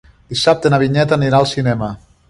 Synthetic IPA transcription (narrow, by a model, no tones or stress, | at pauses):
d̪̥isap̚t̪enaβiɲɛt̪əaniɾalˠsinɛmə